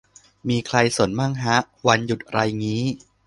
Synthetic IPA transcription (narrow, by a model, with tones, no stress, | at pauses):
miː˧kʰɾa˧jso˨˩˦nmaː˥˩ŋɦa˦˥ʔ | wa˧nju˨˩t̪̚ɾa˧jŋiː˦˥